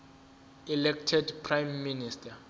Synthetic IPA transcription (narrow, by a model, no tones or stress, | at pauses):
ɛlɛk̚tʰɛdpʰrajmːinistʰa